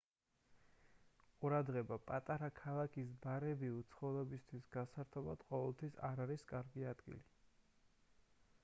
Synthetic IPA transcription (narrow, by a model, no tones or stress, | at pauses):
qʼuɾad̪ʁɛbapʼat̪ʼaɾakʰalˠakʰisbaɾɛbiut̪sʰχɔvlɛbist̪ʰwisɡ̥asaɾt̪ʰɔba̰d̪̥qʼɔvɛlˠt̪ʰwisaɾaɾiskʼaɾɡiad̪ɡḭli